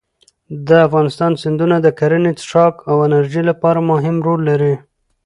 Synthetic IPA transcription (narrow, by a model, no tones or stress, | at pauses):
d̪əafɣɑnɪst̪ɑnsɪnd̪unad̪əkaɾənet͡sʂɑkawɪnaɾʒilapɑɾamʊɦɪmɾolːaɾi